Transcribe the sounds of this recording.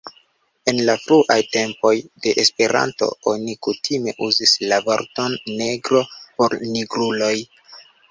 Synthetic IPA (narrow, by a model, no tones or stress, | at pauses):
e̞nlafɾuʔajte̞mpo̞jde̞ʔespe̞ɾʔa̰nto̞̰o̞nikutʰime̞̰ʔuzislavo̞̰ɾto̞nːe̞ɡɾo̞po̞ɾniɡɾulo̞j